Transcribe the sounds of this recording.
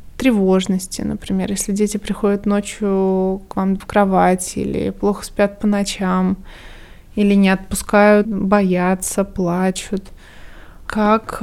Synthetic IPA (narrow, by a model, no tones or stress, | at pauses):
t̪ɾʲɪvo̞ʐnəsʲtʲɪ̰nə̰pɾʲɪmʲe̞̰rjesʲlʲɪdʲetʲɪpɾʲɪxo̞dʲɪt̪no̞t͡ɕjʊkvamfkɾɐvatʲɪḭlʲɪ̰plˠo̞xə̥spʲjat̪̚pənɐt͡ɕam | ilʲɪnʲɪɐt̪̚pʊskajʊt̪bɐjat̪səplˠat͡ɕʊt̪ | kak